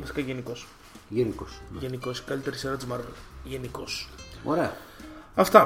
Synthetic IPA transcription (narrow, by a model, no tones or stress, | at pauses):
viskɐʝenikos | ʝenikosʝenikoskɐlit̪eɾiseɾɐt̪izmɐɾvelʝenikosoɾeɐɐft̪ɐ